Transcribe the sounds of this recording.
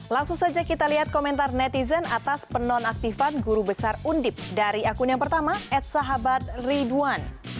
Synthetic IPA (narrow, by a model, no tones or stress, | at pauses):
laŋsuŋsad͡ʒakit̪aliɦat̪̚komɛnt̪arnɛt̪izənat̪aspənɔnak̚t̪ifanɡuɾubəsarundɪp̚daɾiakunjaŋpərt̪amaʔɛt̪̚saɦabat̪̚riduan